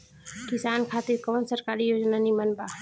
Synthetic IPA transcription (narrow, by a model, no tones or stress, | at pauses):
kɪsaːnkʰaːt̪ɪɾkɔʋnsəɾkaːɾijoːd͡ʒnanimənbaː